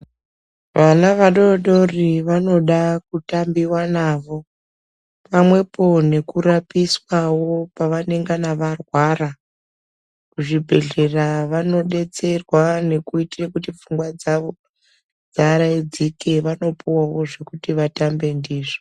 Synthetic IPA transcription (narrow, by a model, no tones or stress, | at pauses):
ʋanaʋaɗo̞ɗo̞riʋano̞ɗakutambiwanaːʋo̞ | pamwe̞po̞ne̞kuɾapiswawo̞paʋane̞ŋɡanaʋarwara | kuʐibʱe̞ɮe̞raʋano̞ɗe̞t͡se̞rwane̞kuitrekutifuŋɡwad͡zao | d͡zaɾaid͡zike̞ʋano̞puwawo̞ʐe̞kutiʋatambe̞ndiːʐo